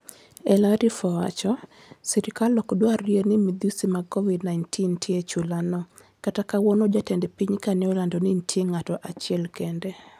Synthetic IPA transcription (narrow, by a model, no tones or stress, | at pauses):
ɛlaɾifɔwa̰t͡ʃɔ | siɾikalːɔkdwarienimid̪usimakɔvidnaɪntʰintʰjet͡ʃulanɔ | katakawɔnod͡ʒatɛndɛpiɲkanɛɔlandɔnintʰjeŋatɔʔat͡ʃɪɛlkɛndɛ